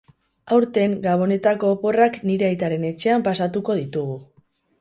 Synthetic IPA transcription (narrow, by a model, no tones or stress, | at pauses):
awɾt̪e̞ŋɡaβ̞o̞ne̞t̪ako̞ːpo̞rakniɾe̞ajt̪aɾe̞ne̞t͡ʃe̞ampasat̪uko̞ðit̪uɣu